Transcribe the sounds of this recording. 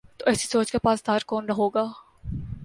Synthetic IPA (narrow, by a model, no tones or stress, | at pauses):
t̪oʔɛːsi̥soːt͡ʃkepaːsd̪ʱaːɾkɔːnɾɐɦoːɡaː